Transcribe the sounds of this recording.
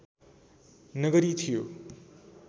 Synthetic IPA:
nʌɡʌɾit̪ʰijo

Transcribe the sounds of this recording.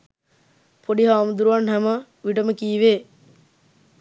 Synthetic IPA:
pʰoɖiɦaːmud̪uɾuʋanɦæmə | ʋiʈəməkiːʋeː

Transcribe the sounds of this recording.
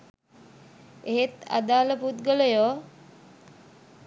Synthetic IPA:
eɦet̪a̰d̪aːləput̪̚ɡələjoː

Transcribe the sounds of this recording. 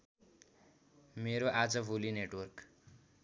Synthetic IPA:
meɾoʔad͡zʌbʱulineʈwʌrk

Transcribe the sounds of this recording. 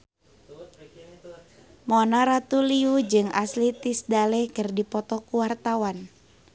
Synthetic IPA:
mɔnaɾat̪uliud͡ʒɨŋaslit̪isdalɛhkɨrdipɔt̪ɔkuwart̪awan

